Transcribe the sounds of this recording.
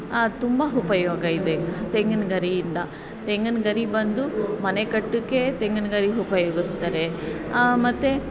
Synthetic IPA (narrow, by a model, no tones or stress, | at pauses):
t̪umbɐɦupɐjoːɡɐid̪et̪eŋɡɐnɡɐɾijind̪ɐ | t̪eŋɡɐnɡɐɾibɐnd̪umɐnekɐʈːukːe̞t̪eŋɡɐnɡɐɾiɦupɐjoːɡist̪ɐɾe̞ | mɐt̪ːe